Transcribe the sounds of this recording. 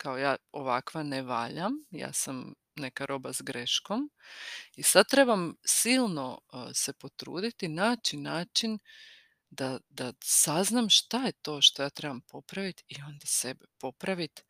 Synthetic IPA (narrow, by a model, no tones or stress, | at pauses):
kaojaːoʋakʋaneʋaːʎamja̰ːsam | ne̞kaɾʔo̞bazɡɾe̞ʃko̞m | isad̪̚t̪ɾe̞bamsilˠno̞se̞po̞t̪ɾṵːd̪it̪inaːt͡ʃinaːt͡ʃin | d̪ad̪asaznamʃt̪aje̞t̪o̞ːʃt̪o̞jaːt̪ɾe̞bampo̞pɾaʋit̪io̞nd̪ase̞bepo̞pɾaʋit̪